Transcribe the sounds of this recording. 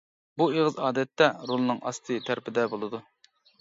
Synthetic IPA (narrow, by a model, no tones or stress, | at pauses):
bueʁɨzɑːd̪ɛt̪ʰːɛɾolˠɨnɨŋɑ̰st̪ʰɨt̪ʰæɾpɪd̪ɛbolˠɨd̪u